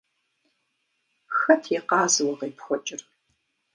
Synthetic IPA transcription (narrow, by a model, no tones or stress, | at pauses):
xɐtʰeqɑːzɨwɐʁeːpʰxʷɔt͡ʃʼɪr